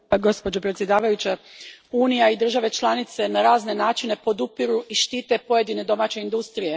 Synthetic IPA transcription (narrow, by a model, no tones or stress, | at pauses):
ɡo̞spo̞d͡ʒo̞pɾet̪sjed̪aːʋajut͡ɕauːnijaid̪r̩ʒaʋe̞t͡ʃlˠanit̪se̞naɾaːzne̞naːt͡ʃine̞po̞d̪upiɾuʔiʃt̪iːt̪e̞po̞je̞d̪ine̞d̪o̞maːt͡ɕe̞ind̪ust̪ɾije̞